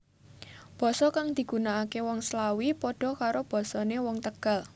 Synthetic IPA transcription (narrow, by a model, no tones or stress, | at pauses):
b̥ɔ̤sɔkaŋd̪̥i̤ɡ̥ṳnaːkewɔŋslawipɔɖ̥ɔ̤kaɾob̥ɔ̤sɔnewɔŋt̪əɡ̥a̤l